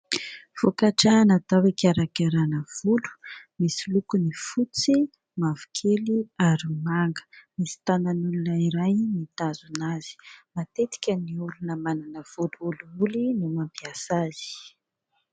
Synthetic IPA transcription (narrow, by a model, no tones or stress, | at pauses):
v̥okaʈ͡ʂanat̪awekaɾakaɾanəv̥ulu̥misilukunifut͡si | mavu̥kʰeliaɾimaŋɡə̥misi̥t̪ananulunəiɾajnit̪azunaz̥i̥mat̪et̪i̥kʲəniulunəmananəv̥uluuluulinumampiasaz̥i̥